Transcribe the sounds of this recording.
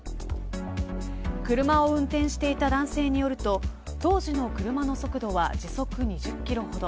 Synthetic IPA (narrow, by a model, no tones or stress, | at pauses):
kɯ̟ɾɯ̟maoɯ̟̃nt̪ẽɰ̃ɕi̥t̪e̞it̪ad̪ãɰ̃se̞ːɲ̟ijo̞ɾɯ̟t̪o̞ | t̪o̞ːʑino̞kɯ̟ɾɯ̟mano̞so̞kɯ̟d̪o̞βad͡ʑiso̞kɯ̟ɲ̟iʑɨkʲːiɾo̞ho̞d̪o